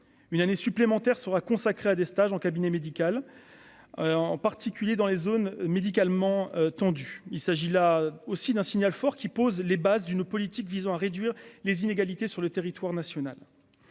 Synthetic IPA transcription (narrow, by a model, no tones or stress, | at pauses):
ynanesyplemɑ̃t̪ɛʁsəʁakɔ̃sakχead̪est̪aʒɑ̃kabinɛmed̪ikʲal | ɑ̃paʁt̪ʰikʲyljed̪ɑ̃lezonmed̪ik̬almɑ̃t̪ɑ̃d̪yilsaʒilaosid̪ɛ̃sinjalfɔʁkʲipozlebazd̪ynpɔlit̪ikvizɑ̃aʁed̪ɥiʁlezineɡalit̪esyʁlət̪eʁit̪waʁnasjɔnal